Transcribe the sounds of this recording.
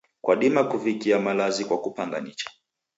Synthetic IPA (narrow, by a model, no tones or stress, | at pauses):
kwaɗimakuvikiamalazikwakupaŋɡa̰nit͡ʃḁ